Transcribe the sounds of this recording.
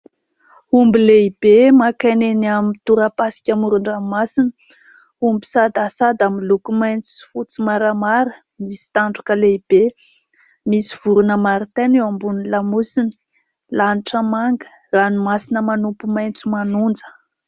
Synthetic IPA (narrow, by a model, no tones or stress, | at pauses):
umbileib̥emakanenamit̪uɾəpasi̥kʲamuɾuɳɖ͡ʐamasinə | umbi̥sad̪asad̪amilukumajnt͡sui̥fut͡simaɾəmaɾə | misi̥t̪aɳɖ͡ʐukəleib̥e | misi̥v̥uɾunəmaɾit̪enewambunilamusini̥ | laniʈ͡ʂəmaŋɡə̥ | ranumasinəmanupumajnt͡sumanund͡zə̥